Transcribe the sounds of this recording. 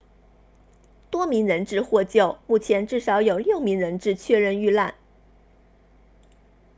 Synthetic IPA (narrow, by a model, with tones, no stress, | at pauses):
t̪wɔ˥mi˧˥ŋɻə˧˥nʈ͡ʂɻ̩˥˧xwɔ˥˧t͡ɕjo˥˧ʊmu˥˩t͡ɕʰjɛ˧˥nʈ͡ʂɻ̩˥˩ʂɑ˧˥ʊjo˨˩ʊljo˥˩ʊmi˧˥ŋɻə˧˥nʈ͡ʂɻ̩˥˧t͡ɕʰɥɛ˥˧ɻə˥˧ny˥˧la˥˩n